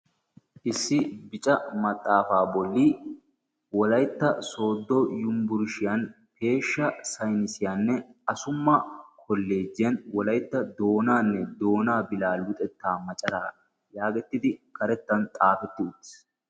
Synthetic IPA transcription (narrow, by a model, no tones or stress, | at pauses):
ʔɪsːɪbɪt͡ʃʼɐmɐt̪ʼːaːfaːbɔlːi | wɔlɐjt̪ːɐso̞ːd̪ːɔjʊmbʊɾʃɪjɐn | pʰe̞ːʃːɐsɐjnɪsɪjaːnːɛɐsʊmːɐkʰɔlːe̞ːd͡ʒːɪjɐnwɔlɐjt̪ːɐd̪o̞ːnaːnːɛd̪o̞ːnaːbɪlaːlʊt̪ʼɛt̪ːaːmɐt͡ʃʼɐɾaː | jaːɡɛt̪ːɪd̪ɪkʰɐɾɛt̪ːɐnt̪ʼaːfɛt̪ːɪʊt̪ːɪ̥s